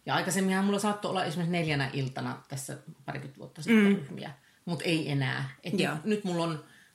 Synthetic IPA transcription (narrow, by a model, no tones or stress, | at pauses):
jɑɑikɑsemːihæmulːɑsɑt̪ːoo̰lːɑʔesimːesneljænæʔilt̪ɑnɑt̪æsːæ̰pɑrikyt̪ʋṵot̪ːɑsiːeryhmḭæ̰ | mut̪eienæ̰ːet̪ːnyt̪mulːon